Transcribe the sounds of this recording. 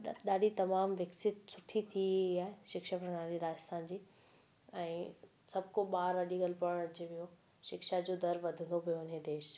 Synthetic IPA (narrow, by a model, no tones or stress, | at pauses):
ɗaːɗit̪ɐmaːmʋɐksɪt̪sʊʈʰit̪ʰiiaːɦeʃɪkʃapɾɐnaːɾiɾaːd͡ʑɪst̪aːnd͡ʑiː | ɛ̃ː | sɐbʱkoɓaːɾʋɐɗiɡɐlpɐɽ̃ɐd͡ʑeʋijo | ʃɪkʃad͡ʑoːd̪ɐɾʋɐd̪ʱə̃nd̪opɐjoɪned̪eːʃ